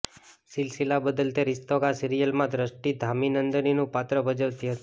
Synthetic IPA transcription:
sɪlsilabəd̪əlt̪eɾɪst̪okasiɾijəlmãd̪ʱɾəʃʈid̪ʱaminənd̪əninũpat̪ɾəbəd͡ʒəʋt̪iɦət̪

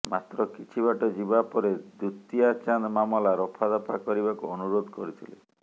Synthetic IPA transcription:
mat̪ɾɔkit͡ʃʰiβaʈɔd͡ʒibapɔɾed̪ut̪iat͡ʃand̪mamɔlaɾɔpʰad̪ɔpʰakɔɾibakuɔnuɾod̪ʱkɔɾit̪ʰilḛ

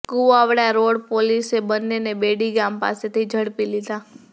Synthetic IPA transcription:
kuaʋɽaɾoɽpolisebənːenebeɽiɡampa̰set̪ʰid͡ʒʱəɽpilid̪a

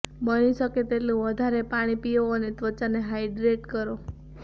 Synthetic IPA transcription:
bəniʃəket̪eʈlũʋəd̪ʱaɾepaɽ̃ipijoənet̪ʋət͡ʃaneɦajɖɾeʈkəɾo

